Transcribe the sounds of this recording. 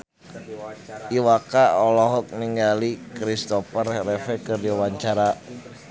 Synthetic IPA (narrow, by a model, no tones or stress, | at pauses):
iwakaɔlɔɦɔk̚niŋɡalikɾist̪ɔfərɛhrɛfɛkɨrdiwaɲt͡ʃaɾa